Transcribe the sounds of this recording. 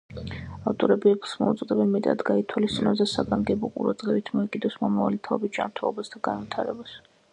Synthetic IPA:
aft̪ʼɔɾɛbiɛpʰlˠsmɔṵt̪sʼd̪ɛbɛnmɛt̪ʼa̰d̪ɡait̪ʰwalist̪sʼinɛsd̪asaɡaŋɡɛbɔqʼṵɾa̰d̪z̥ʼʁɛvit̪ʰmɔɛkʼid̪ɔsmɔmavalit̪ʰaɛbit̪̚d͡ʒa̰nt̪ʰɛlˠɔ̰basd̪aɡanvit̪ʰaɾɛ̰bas

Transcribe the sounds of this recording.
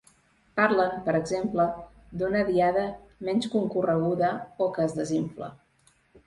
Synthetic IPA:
paɾlənpəɾəɡzemplə | d̪unəðiaðəmɛnskuŋkurəɣ̞uðəokəːzðəziɱflə̰

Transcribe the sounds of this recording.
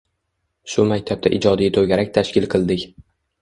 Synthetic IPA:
ʃʊmakʲt̪ʰab̚t̪aʔɪd͡ʒɒd̪ijt̪ʰoɡʲaɾak̚ʲt̪ʰaʃkʲɪlˠqʰɨlˠd̪ɪkʲ

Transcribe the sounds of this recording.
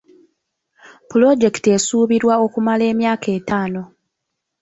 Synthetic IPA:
pulo̞ɟe̞ktesuːβiɾwao̞kumale̞ːmjaːke̞ːtaːno̞

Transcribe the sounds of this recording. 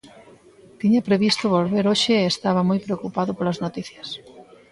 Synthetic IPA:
t̪iɲɐpɾeβist̪ʊβolβeɾoʃɪːst̪aβ̞ɐmojpɾeokupaðʊpolɐznot̪iθjɐs

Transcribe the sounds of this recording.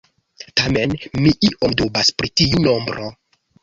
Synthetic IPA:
tame̞nmiʔiʔomdobaspɾitiuno̞mbɾʔo

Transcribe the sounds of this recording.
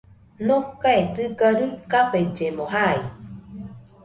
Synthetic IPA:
nokaet̪ɨɡaɾɯkaped͡ʒemõɦai

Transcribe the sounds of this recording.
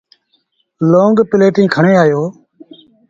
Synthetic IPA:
lõːŋɡpɪleːʈĩːkʰəɳeːaːjoː

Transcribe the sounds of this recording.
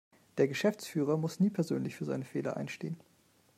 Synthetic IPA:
d̥eːɐɡəʃɛft͡sfyːʁ̞ɐmʊsniːpʰɛɐzøːnlɪçfyːɐzaɪnəfeːlɐ̰ʔa̰ɪnʃtḛːən

